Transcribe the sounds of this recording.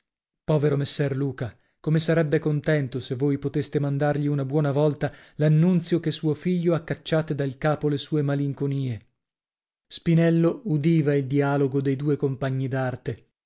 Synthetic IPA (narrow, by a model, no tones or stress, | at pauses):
pɔːveɾomesːɛrluːka | komesaɾɛbːekont̪ɛnt̪osevːoːjpot̪est̪emand̪arʎiunabwɔːnavɔlt̪alanːunt̪sjokesːuːofiʎːoakːat͡ʃːaːt̪ed̪ailkaːpolesuːemaliŋkoniːe | spinɛlːoud̪iːvaild̪iaːloɡod̪ejd̪uːekompaɲːid̪art̪e